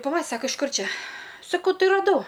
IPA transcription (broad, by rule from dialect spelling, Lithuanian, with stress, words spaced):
pɐˈlˠɐ ˈsɑːkɐ ɪʃ ˈkʊr ˈt͡ʃʲɛ sɐˈkɐʊ ˈtɐɪ rɐˈdɐʊ